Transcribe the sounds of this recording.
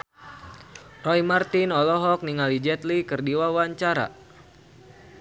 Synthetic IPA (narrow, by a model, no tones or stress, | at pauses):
rɔimart̪inɔlɔɦɔk̚niŋalid͡ʒɛt̪likɨrdiwawaɲt͡ʃaɾa̰